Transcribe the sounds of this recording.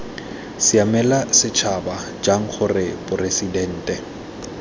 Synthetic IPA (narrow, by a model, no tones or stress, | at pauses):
sɪamɛlasɪt͡ʃʰaba | d͡ʒaŋ̩χʰʊrɪbʊresidɛn̩ːtʼɛ